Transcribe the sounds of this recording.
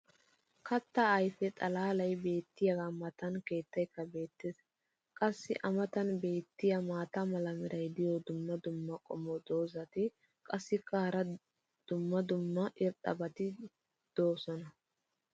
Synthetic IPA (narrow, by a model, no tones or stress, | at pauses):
kɐt̪ːɐːjfɛt̪ʼɐlaːlɐjbe̞ːt̪ːɪjɐɡamɐt̪ɐnke̞ːt̪ːɐjkːɐbe̞ːt̪ːɪs | kʼɐsːɪʔɐmɐt̪ɐnbe̞ːt̪ːɪjɐmaːt̪ɐmɐlɐmɪɾʔɐjd̪ɪjɔd̪ʊmːɐd̪ʊmːɐkʼɔ̰mɔd̪o̞ːzɐt̪ɪ | kʼɐsːɪkɐːɐɾɐ | d̪̥ʊmːɐd̪ʊmːɐʔɪɾtʼːɐ̰bɐt̪ɪ | d̪̥o̞ːsɔnɐ